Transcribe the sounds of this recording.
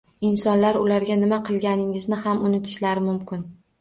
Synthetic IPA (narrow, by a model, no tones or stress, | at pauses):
ɪnsɒnlaɾʊlaɾɡʲanɪmaqʰɨlˠɡʲanɪŋɪznɪhamʊnɪt̪ʰɪ̥ʃlaɾɪmʊmkʲɪn